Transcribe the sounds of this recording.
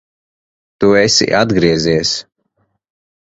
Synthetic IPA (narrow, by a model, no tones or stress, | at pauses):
t̪uesḭʔad̪ɡɾiɛziɛs